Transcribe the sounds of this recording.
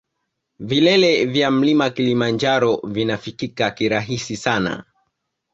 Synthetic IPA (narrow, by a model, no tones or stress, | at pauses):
vilɛlɛvjam̩limakilimand͡ʒaɾɔvinafikikakiɾaɦisisana̰